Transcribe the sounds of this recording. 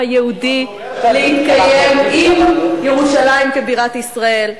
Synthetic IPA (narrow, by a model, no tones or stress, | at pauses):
ajehudi | leit̪kajemimjeʁuʃalaimkebiʁat̪isʁae̞l